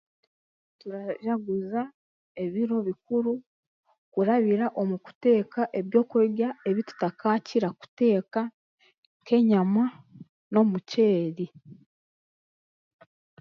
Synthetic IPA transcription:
tuɾaʒaɡuza | e̞βiɾo̞βikuɾu | kuɾaβiɾaʔo̞muku̥te̞ːkaʔe̞βjo̞ːkweɡae̞βitu̥takaːciɾaku̥te̞ːka | ŋŋke̞ɲama | no̞muce̞ːɾi

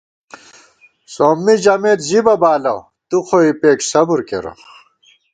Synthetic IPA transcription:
soːmːid͡ʑɐmeːt̪ʑibɐbaːlɐw | t̪uxoipeːksɐbuɾkḛɾo̰

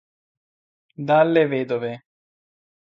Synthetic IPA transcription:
d̪aːlːeʋeːd̪oʋeː

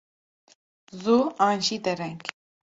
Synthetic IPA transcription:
zuanʃit̪ɛɾɛŋk

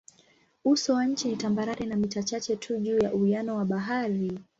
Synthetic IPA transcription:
usɔwaɲ̩t͡ʃinitambaɾaɾinamitat͡ʃat͡ʃɛtʰuʄuːjaʔuianɔwaɓaɦaɾi

